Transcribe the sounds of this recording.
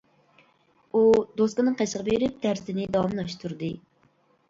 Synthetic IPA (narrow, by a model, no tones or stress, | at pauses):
ud̪oskɨnɨŋqʰæʃəʁɑbeɾɪp̚t̪ʰæɾsɪnɪd̪ɑwɑmnɑʃt̪ʰuɾd̪ɨ